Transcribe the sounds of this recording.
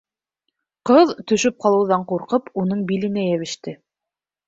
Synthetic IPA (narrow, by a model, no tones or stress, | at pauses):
qɤðt̪ɵ̆ʃɵp̚qɑlˠɤ̆wðɑɴquɾqɤpunɤɴbilɘ̆næjæβɘ̆ʃt̪ɘ